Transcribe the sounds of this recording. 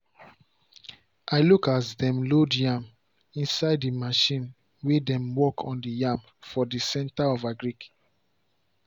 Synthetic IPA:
aɪlukatdɛ̃mlodjãm | ĩnsaɪdimaʃĩn | wedɛ̃mwɔkʰɔ̃ndijãm | fɔdisɛ̃ntaɔvaɡɹik

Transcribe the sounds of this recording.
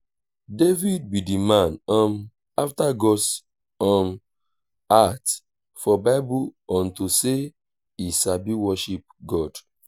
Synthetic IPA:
devid̚bidimãnɔ̃n | aftaɡɔs | ɔ̃n | at | fɔbaɪbuɔ̃ntuse | isabiwɔʃip̚ɡɔd̥

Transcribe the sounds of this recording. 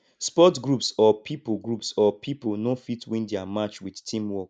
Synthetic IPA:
spɔtɡɹupsɔpʰipoɡɹupsɔpʰiponofitwĩndɛamat͡ʃwidtʰĩmwɔk

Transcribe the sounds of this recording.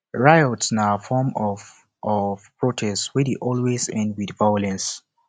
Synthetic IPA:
ɹajɔtsnafɔmɔv | ʔɔvpɹotʰɛstwɛdeʔɔlwezɛ̃ndwidvajɔlɛ̃ns

